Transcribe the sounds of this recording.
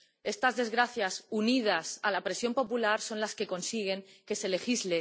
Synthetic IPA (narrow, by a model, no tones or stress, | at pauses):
e̞st̪azðe̞zɣɾaθjasunið̞asalapɾe̞sjo̞mpo̞pulaɾso̞nlaske̞ko̞nsiɣ̞e̞ŋke̞se̞le̞xizle̞